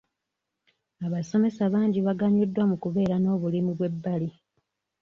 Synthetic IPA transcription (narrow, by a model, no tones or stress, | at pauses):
aβaso̞me̞saβaːɲɟiβaɡaɲudːwamukuβe̞ːɾano̞ːβulimuβwe̞bːali